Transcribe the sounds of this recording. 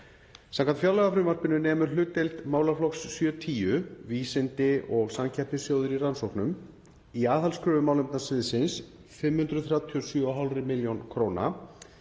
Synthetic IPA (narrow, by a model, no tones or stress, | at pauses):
sãmkʰant̪fjawlɛɣafɾʏmar̥pɪnʏnɛːmʏɾ̥lʏːt̪ːejlt̪maːwlaɾflɔksːjœt̪ʰiːjʏviːsɪnt̪ɪɔɣsamcʰɛr̥p̪nɪsjoːwðʏɾiransowhknʏm | iaːθalskʰɾœːvʏmaːwlʏmt̪nasɪðsɪns | fɪmhʏnt̪ɾʏθɾjaːwt̪ʰiɔsjœɔɦalrɪmɪljonkʰɾoːwna̰